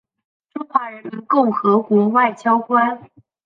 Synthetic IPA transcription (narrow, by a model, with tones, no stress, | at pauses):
ʈ͡ʂʊ˥ŋxwa˧˥ɻə˧˥nmi˧˥nkʊ˥˩ŋxɤ˧˥kwɔ˧˥wa˥˩ɪt͡ɕjɑ˥ʊkwa˥n